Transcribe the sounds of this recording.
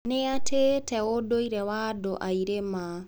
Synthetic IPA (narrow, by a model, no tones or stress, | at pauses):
neatʰetɛodoiɾɛwadoʔaiɾema